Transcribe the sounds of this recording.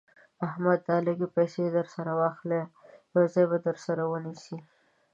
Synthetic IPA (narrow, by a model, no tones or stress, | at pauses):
ahmad̪ːɑlɪɡipajsed̪əɾsaɾawɑxlejawzɑjbad̪əɾsaɾawənisi